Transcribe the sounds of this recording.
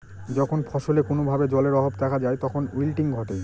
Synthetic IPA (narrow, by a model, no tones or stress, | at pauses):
d͡ʑɔkʰonpʰɔʃolekonobʱabed͡ʑɔleɾɔɦobd̪ɛkʰad͡ʑaet̪ɔkʰonilʈiŋɡʱɔʈe